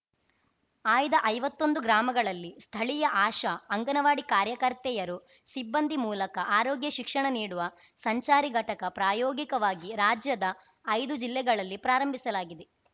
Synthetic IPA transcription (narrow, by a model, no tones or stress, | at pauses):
aːjd̪ɐʔɐjʋɐt̪ːond̪uɡɾaːmɐɡɐɭɐlːist̪ʰɐɭijɐʔaːʃɐːŋɡɐnɐʋaːɽikaːɾjɐkɐɾt̪ɛjɐɾu | sibːɐnd̪ʱimuːlɐkɐʔaːɾoːɡjɐʃikʂɐɳɐniːɽuʋɐ | sɐɲt͡ʃaːɾiɡʱɐʈɐkɐpɾaːjoːɡikɐʋaːɡiɾaːd͡ʒjɐd̪ɐː | jd̪ud͡ʒilːɛɡɐɭɐlːipɾaːɾɐmbʱisɐlaːɡid̪e